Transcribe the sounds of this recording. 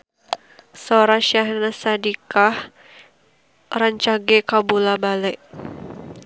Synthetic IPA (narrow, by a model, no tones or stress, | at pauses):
soɾaʃahnasadikah | raɲt͡ʃaɡɛkabulabalɛʔ